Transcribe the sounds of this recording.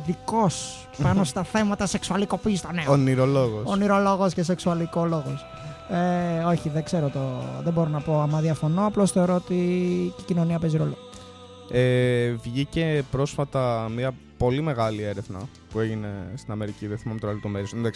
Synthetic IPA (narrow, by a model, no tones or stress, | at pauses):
ðiko̞s | pɐno̞st̪ɐθe̞mɐt̪ɐse̞ksuɐliko̞piːst̪oneoniɾoloɣosoniɾo̞lo̞ɣo̞sces̬e̞ksuɐlikolo̞ɣos | eo̞çiðeɡze̞ɾo̞t̪oðeboɾonɐpo̞ɐmɐðiɐfo̞no̞ɐplo̞sθe̞oɾoot̪iicino̞niɐpe̞ziɾoloɣ | evʝice̞pɾo̞sfɐt̪ɐmiɐ | po̞lime̞ɣɐlieɾe̞vnɐ̰ | pue̞ʝine̞st̪inɐme̞ɾiciðieθimɐmit̪oɾɐlot̪omeɾisðes